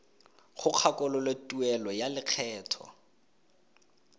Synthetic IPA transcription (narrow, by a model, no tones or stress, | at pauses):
χʊq͡χʰakʼɔlɔletʼuɛlɔjalɪq͡χʰɛːtʰɔ̰